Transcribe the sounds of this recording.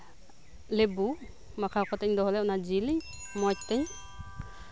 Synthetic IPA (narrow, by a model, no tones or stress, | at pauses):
lebu | makʰakʰɔt̪ɛɲd̪ɔɦɔlɛʔɔnad͡ʒiliɲ | mɔc̚t̪ɛɲ